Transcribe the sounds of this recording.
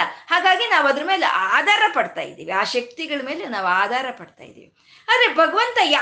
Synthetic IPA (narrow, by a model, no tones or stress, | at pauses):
ɐhaːɡaːɡinaːʋɐd̪ɐɾɐmeːlḛʔaːd̪ʱaːɾɐpɐɽt̪a̰ːjḭd̪ːḭːʋiaːʃɐk̚t̪iɡɐɭɐme̞ːlenaːʋuaːd̪ʱaːɾɐpɐɽt̪a̰ːj̰d̪ḭːʋi | aːd̪ɾebʱɐɡɐʋɐnt̪ɐjaː